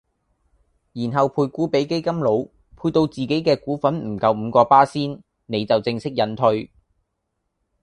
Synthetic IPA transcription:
jiː˨˩nɦɐ˨wpʰuː˧jkuː˨˥pe˨˥jke˥jkɐ˥mlo˨˧˥w | pʰuː˧t̪o˧wt͡siː˨ke˨˥jkɛː˧kuː˨˥fɐ˨˥nm̩˨˩kɐ˧wm̩ː˨˧kɔː˧paː˥siː˥n | ne˨˧jt͡sɐ˨wt͡sɪ˧ŋsɪ˥k̚jɐ˨˥nt̪ʰɵ˧ɥ

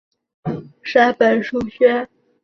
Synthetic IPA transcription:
ʂa˥pə˨˩nʂu˥ɕɥɛ˥

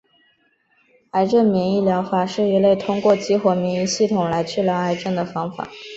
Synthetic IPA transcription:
a˧˥ɪʈ͡ʂə˥˩nmi˧˥ŋi˥˩ljɑ˧˥ʊxwa˥˩ʂɻ̩˥˩i˧˥le˥˩ɪt̪ʰʊ˥ŋkwɔ˥˩t͡ɕi˧˥xwɔ˨˩mi˧˥ŋi˥˧ɕi˥˩t̪ʰʊ˨˩ŋla˧˥ɪt͡ɕʰy˥˩ljɑ˧˥ʊa˧˥ɪʈ͡ʂə˥˩nd̪ə˩fɑ˥ŋfa̰˨˩˦

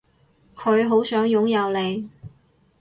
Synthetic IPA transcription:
kʰɵ˨˧ɥɦo˨˥wsœː˨˥ŋjʊ˨˥ŋjɐ˨˧wle˨˧j

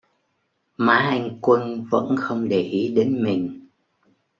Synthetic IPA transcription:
maː˨˦ʔa˧jŋ̟kwə˧nvə̰˧˥nxə˧wŋ͡mɗe˧˩ʔi˨˦ɗe˨˦nmï˨˩ŋ̟

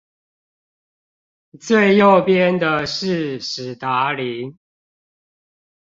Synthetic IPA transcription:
t͡swe˥˧ɪjo˥˨ʊpjɛ˦nd̪ə˨ʂɻ̩˥˨ʂ̩˨˩t̪a˨˦li˨˦ŋ

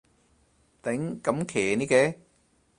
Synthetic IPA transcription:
t̪e˨˦˥ŋkɐ˨˦mkʰeː˨˩ni˦˥kɛ˨˦

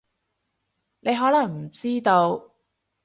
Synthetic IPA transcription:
ne˨˧jɦɔː˨˥lɐ˨˩ŋm̩˨˩t͡siː˥t̪o˧w

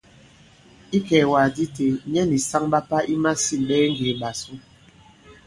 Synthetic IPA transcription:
i˦kɛː˨wa˨di˦te˨ɲɛ˦ni˨sa˦ŋɓa˦pa˦ʔi˦ma˦si˦˨ɓɛː˦ŋ̩˦ɡe˨ɓa˨su˦

